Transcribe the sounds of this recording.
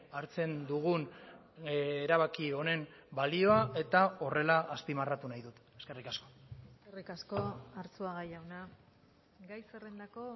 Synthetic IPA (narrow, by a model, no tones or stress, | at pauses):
aɾt͡se̞nd̪uɣ̞un | ɾaβ̞akio̞ne̞mbalio̞aʔe̞t̪ao̞re̞laʔːspimarat̪unajðut̪e̞ske̞rikasko̞̥eskerikaskoaɾt͡suaɣajawna | ɡajserend̪ako̞